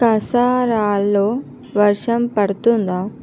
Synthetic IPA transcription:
ɐsaːɾaːlːoː | ʋɐɾʂɐmpɐɽɐt̪und̪aː

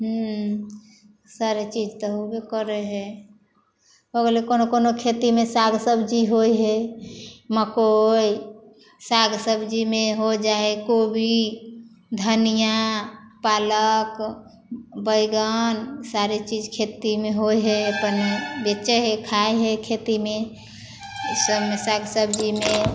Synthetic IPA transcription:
ɦu | saɾet͡ʃid͡ʒt̪əɦobikəɾɛɦɛ | bəɡlekonokonokʰet̪imesaɡʱsəbʱd͡ʒiɦoiɦɛ | məkoj | saɡsəbd͡ʒimeɦod͡ʒaɦekobʱi | d̪ʱənijapalək | bəjɡənsaɾet͡ʃid͡ʒkʰet̪imeɦoiɦɛəpənbet͡ʃəɦekʰaeɦɛkʰet̪ime | səmesaɡʱsəbʱd͡ʒime

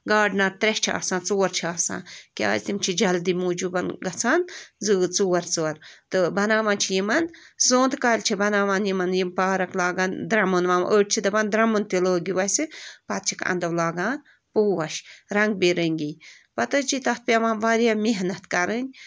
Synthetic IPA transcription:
ɡaːɖnat̪ɾet͡ʃʰa̰ːsãːnt͡soːɐɾt͡ʃʰiaːsã̰ːnkʲa̰ːzʲt̪imt͡ʃʰid͡ʒɐld̪imuːd͡ʒubɐnɡɐt͡sʰaːnzɨːt͡suːɐɾt͡soɐɾt̪ɨbɐnaːʋaːnt͡ʃʰijimɐn | zõːnd̪kaːlʲt͡ʃʰibɐnaːʋaːnjimɐnjimpaːɾɐklaːɡaːnd̪ɾɐmunʋaːmʔəːʈ̚t͡ʃʰid̪ɐbɐnd̪ɾɐmunt̪iloːɡiʋɐsɨpɐt̪̚t͡ʃʰikɐ̰nd̪ɐʋlaːɡaːn | puːʋɐʃɾɐŋɡ̚biɾəŋʲɡij | pɐt̪ɐt͡ʃit̪ɐt̪̚pʲɐʋaːmʋaːɾjamiɦnɐt̪kɐɾənʲ

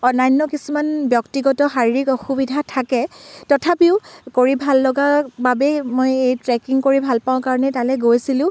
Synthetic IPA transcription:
ɔnajnːɔkisumanbjɔktiɡɔtɔxaɹiɹikɔxubidʱatʰakɛtɔtʰapiʊkoɹibʱalːɔɡababɛmojejtɹɛkiŋkoɹibʱalpaʊ̃kaɹɔnɛtalɛɡojsilʊ̃

